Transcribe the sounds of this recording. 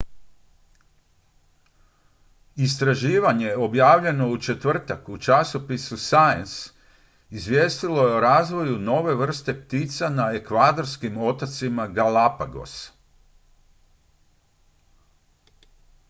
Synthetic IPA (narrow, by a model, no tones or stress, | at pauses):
ist̪ɾaʒiːʋaɲe̞o̞bjaːʋʎe̞no̞ut͡ʃe̞t̪ʋr̩t̪akut͡ʃaso̞pisusajens | izʋjeːst̪ilo̞jeoɾaːzʋo̞juno̞ʋe̞ʋr̩st̪e̞pt̪iːt̪sanae̞kʋaːd̪o̞ɾskimo̞t̪at̪simaɡalapaɡo̞̰s